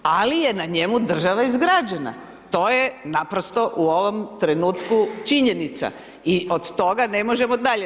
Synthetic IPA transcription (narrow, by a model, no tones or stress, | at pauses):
alije̞naɲe̞mud̪r̩ʒaʋaizɡɾaːd͡ʒena̰ | t̪o̞ːjenapɾost̪o̞ʔuoʋo̞mt̪ɾe̞nuːt̪kut͡ʃiɲe̞nit̪sa̰ | iʔod̪t̪o̞ɡane̞mo̞ʒe̞mod̪aʎe